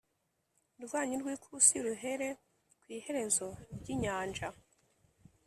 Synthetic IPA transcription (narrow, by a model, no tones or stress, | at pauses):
ɾɡwaːɲuɾɡwiːkʰusiɾuɦe̞ɾe̞ | kwiːhe̞ɾe̞zo̞ɾɟiɲaːnd͡ʒa